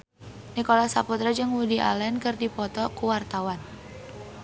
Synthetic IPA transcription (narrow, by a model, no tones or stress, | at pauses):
nikolasaput̪ɾad͡ʒɨŋwudiʔa̰lɛnkɨrdipɔt̪ɔkuwart̪awan